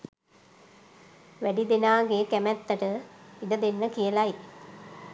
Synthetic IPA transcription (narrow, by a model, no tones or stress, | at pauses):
ʋæɖid̪enaːɡekæmɛt̪ːəʈəid̪əd̪enːəkijəlaj